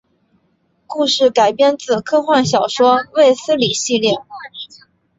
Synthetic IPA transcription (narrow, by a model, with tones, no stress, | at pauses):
ku˥˧ʂɻ̩˥˩ka˨˩ɪpjɛ˥˧nt͡sɹ̩˥˨˩kʰɤ˥xwa˥˩nɕjɑ˨˩ʊʂwɔ˥we˥˩ɪsɹ̩˥li˨˩ɕi˥˧ljɛ˥˩